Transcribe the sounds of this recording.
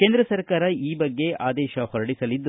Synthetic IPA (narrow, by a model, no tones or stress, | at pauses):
keːnd̪ɾɐsɐɾkaːɾɐiːbɐɡːe̞ʔa̰ːd̪ɛːʃɐhɔɾɐɽisɐlid̪ːu